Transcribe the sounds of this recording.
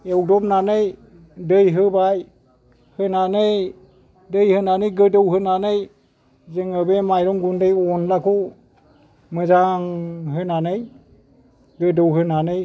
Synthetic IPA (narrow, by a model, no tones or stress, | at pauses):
ewdɔmnanɯj | dɯjɦɯbaj | hɯnanɯj | dɯjhɯnanɯjɡɯdɯwɦɯnanɯj | zɯŋɯbemajɾɔŋɡundɯjɔnlakʰɔ | mɯzaŋɦɯnanɯj | ɡɯdɯwɦɯnanɯj